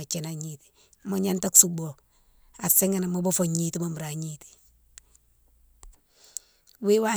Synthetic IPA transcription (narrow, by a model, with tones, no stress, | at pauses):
a˨t͡ʃe˨na˨ɲiti̥˨ | mo˦ɲa˦nta˦ksu˨ɡ͡bo˨ | a˨se˦ŋe˦na˨mo˦bo˦foɲiti˦mo˨m˨ɾa˨ɲiti̥ | wi˦wa˦